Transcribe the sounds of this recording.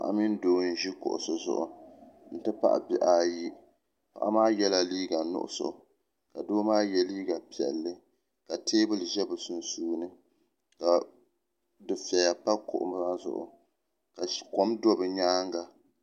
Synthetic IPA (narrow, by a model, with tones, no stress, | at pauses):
pa̰˨ʔa̰˨mi˦n˦doː˦n̩˦ʒi˦kʊ̰˨ʔʊ̰˨sʊ˨zʊ̰˨ʔʊ̰˨n̩˨tɨ˦pa̰˦ʔa̰˨bɪ˦ʔaː˦ji˦ | pa̰˨ʔa˦maː˦jɛ˦la˦liː˦ɡa˨nʊ̰˦ʔʊ̰˦˨so̰˨ | ka˨doː˦maː˦jɛ˦liː˦ɡa˨pi˨ɛ̰˨lːɨ˦ | ka˨tʰeː˦bɨ˦lɨ˨ʒɛ˦bɨ˨su˨nsuː˦nɨ˦ | ka˨ | dɨ˨fɛ˨ja˨pa˦kʊ̰˨ʔʊ̰˨m˦a˦zʊ̰˨ʔʊ̰˨ | ka˨ko˨mdɔ˦bɨ˨ɲaː˦ŋ˦ɡa˨